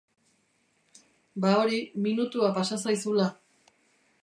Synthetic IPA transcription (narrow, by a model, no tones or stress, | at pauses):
bao̞ɾiminut̪uapasasajsula